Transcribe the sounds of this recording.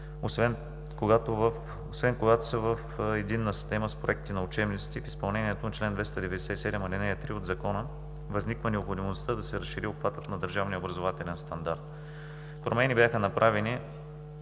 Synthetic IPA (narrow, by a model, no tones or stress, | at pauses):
osvɛn | koɡat̪ovf | osvɛnkoɡat̪o̥səvəfɛd̪inːəsi̥st̪ɛməspɾo̰ɛk̚t̪inɐʊt͡ʃɛbnit̪st̪ifispɐlˠnɛniɛt̪ont͡ʃlɛnd̪vɛst̪ɐd̪ɛvɛd̪ɛsɛisɛd̪ɛmɐlinɛɐt̪ɾiod̪zɐkɔnə | vɐznikvənɛopxod̪imost̪əd̪ɐsɛɾɐsʃːiɾiopfat̪ət̪nɐd̪əɾʒavniəobɾɐzovat̪ɛlɛnst̪ɐnd̪aɾt̪̚ | pɾomɛnibʲjaxənɐpɾʔavɛni